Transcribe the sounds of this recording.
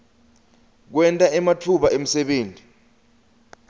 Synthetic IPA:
k̬wɛntʼaɛmatʰuɓaʔem̩sɛɓeːntʼi

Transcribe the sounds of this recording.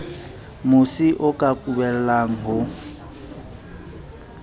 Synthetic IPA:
mʊsiʔʊkʼakʼubɛl̩laŋ̩ɦʊ

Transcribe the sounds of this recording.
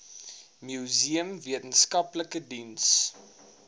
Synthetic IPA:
mjuziəmviətənskɐpləkədins

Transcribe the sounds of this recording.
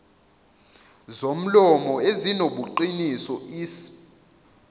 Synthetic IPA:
zom̩lɔmɔezinoɓuǃinisɔiːsi̥

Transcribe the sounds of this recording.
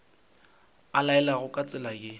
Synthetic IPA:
alaɛlaɣʊkʼat͡sʼɪlaɡɪ

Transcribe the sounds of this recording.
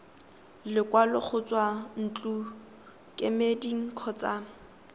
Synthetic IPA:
lɪkʼwalɪk͡xʰʊt͡swan̩t͡ɬʼu | kʼɪmediŋ̩kʰɔt͡sa

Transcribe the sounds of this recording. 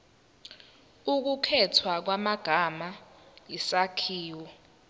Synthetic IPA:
uk̬ukʰɛtʰwak̬wamaɡ̥ʱamajisakʰiːwɔ

